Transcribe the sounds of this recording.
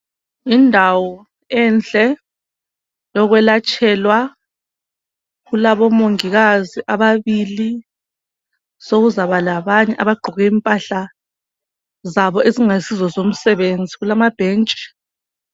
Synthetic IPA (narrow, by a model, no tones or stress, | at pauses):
indʱawɔ | ɛnd͡ɮʱʼɛ | jɔɣwɛlat͡ʃʼʰɛlwa | ɣulaβɔmoŋiɣaziʔaβaβili | soɣuzaβalaβaɲɛʔaβaɡ͡ǃʱɔɣɛimpʼaɬa | zaβɔeziŋasizɔzom̩sɛβend͡zʱiɣulamab̥ʱeːnt͡ʃʼi̥